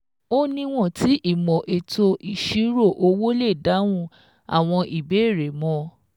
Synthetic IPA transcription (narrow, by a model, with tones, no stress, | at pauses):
o˦nĩ˦w̃ɔ̃˦˨ti˨˦ʔi˦˨mɔ̃˨ʔe˨to˧ʔi˨ʃi˨˦ɾo˦˨ʔo˧wo˦le˦˨da˨˦w̃ũ˧ | a̰˨w̃ɔ̃˧ʔi˨be˨˦e˦˨ɾe˨˦mɔ̃˦˧